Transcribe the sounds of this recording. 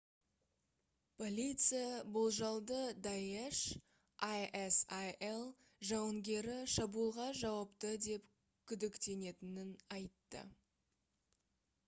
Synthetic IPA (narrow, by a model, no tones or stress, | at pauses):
pʰo̞lʲit̪sɨjabʊlˠʒɑlˠd̪əd̪ɑjeʃ | ʔajesajelˠ | ʒɑwəŋɡʲe̞ɾɪʃɑbulˠʁɑʒɑwɑpt̪əd̪e̞p | kʲʰʏd̪ɪkt̪e̞ne̞t̪ɪnɪnɑjt̪ːə̰